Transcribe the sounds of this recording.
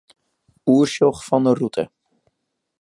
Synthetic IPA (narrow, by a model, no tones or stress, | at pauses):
uːɹsɔχfɑndərutʰə̰